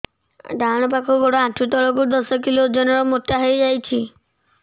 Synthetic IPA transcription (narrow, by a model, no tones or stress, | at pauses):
ɖaɽ̃ɔp̬akʰuɡoɽɔãʈʰut̪ɔɭɔkud̪ɔsɔk̬ilod͡ʒɔnɔɾɔmot̪ːaɦejd͡ʒajt͡ʃʰi